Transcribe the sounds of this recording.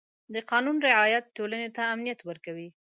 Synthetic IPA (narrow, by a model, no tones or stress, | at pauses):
d̪əqɑnunɾɪʕɑjat̪̚ʈolanet̪aːmnijat̪wəɾkawi